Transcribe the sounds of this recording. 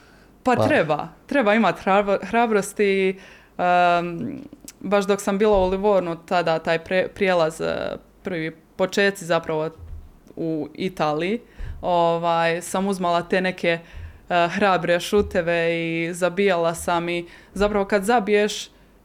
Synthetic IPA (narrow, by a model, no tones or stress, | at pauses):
patt̪ɾeba̰t̪ɾe̞baimat̪axɾaːbɾo̞st̪i | baʃd̪o̞ksambiːlˠauliʋoːɾnut̪ad̪at̪aːjpɾepɾjeːlˠaz̰ | pɾ̩ʋi | po̞t͡ʃeːt̪sizapɾaʋo̞ | uit̪aːliioʋaːjsamuzmalˠat̪e̞ːne̞kʰe̞ | xɾaːbɾeʃut̪eʋe̞izabijalˠasamizapɾaʋo̞kad̪zabijeʃ